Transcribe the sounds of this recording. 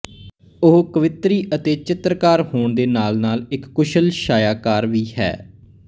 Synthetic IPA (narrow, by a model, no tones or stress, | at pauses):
ʊɦkəʋɪt̪ɾiːʔət̪eːt͡ʃɪt̪ɾəkaːɾhoːɳd̪eːnaːlnaːlɪkːʊʃəlʃaːjaːkaːɾʋiːhɛ̰ː